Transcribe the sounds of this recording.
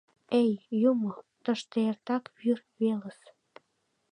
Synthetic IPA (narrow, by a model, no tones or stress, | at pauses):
ejjumot̪ə̆ʃt̪eert̪ɑkβyr | βeləs